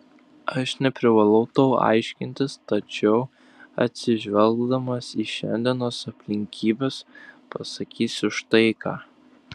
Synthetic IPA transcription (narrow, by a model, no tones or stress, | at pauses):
ɐʃnʲɛpʲɾʲɪʋɐlˠɐʊt̪oʊɑ̰ɪʃʲkʲɪnʲt̪ʲɪst̪ɐt͡ʃʲɛʊ | ɐ̰t̪ʲsʲɪʒʲʋʲɛlˠɡd̪ɐmɐsiːʃʲɛ̰nʲd̪ʲɛnoːsɐpʲlʲɪŋʲkʲiːbʲeːspɐsɐkʲiːsʲʊʃt̪ɐɪkɑ̰ː